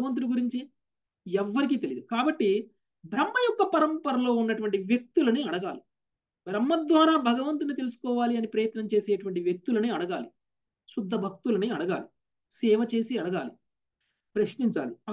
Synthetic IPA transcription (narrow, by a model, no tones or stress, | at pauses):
ɐʋɐnt̪̬uliɡuɾiɲt͡ʃi | ɛʋːɐɾik̬iːt̪e̞lid̪ukaːbɐʈːi | bʱɾɐmːɐjɔkːɐpɐɾɐmpɐɾɐlo̞ːunːɐʈuʋɐɳʈiʋjek̚t̪ulɐniɐɽɐɡaːli | bɾɐmːɐd̪ʋaːɾaːbʱɐɡɐʋɐnt̪unit̪̬e̞lusu̥kɔːʋaːliɐnipɾɐjɐt̪nɐmt͡ʃe̞ːseːʈuʋɐɳʈiʋjek̚t̪ulɐniːɐɽɐɡaːli | sud̪ʱːɐbʱɐk̚t̪ulɐniɐɽɐɡa̰ːli | sɛːʋɐt͡ʃe̞ːsiɐɽɐɡaːli | pɾɐʃniɲt͡ʃa̰ːli